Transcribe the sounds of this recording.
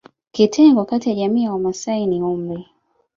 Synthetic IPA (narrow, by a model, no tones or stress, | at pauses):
kitʰɛŋɡoakatijaʄamiːawamasainiumbi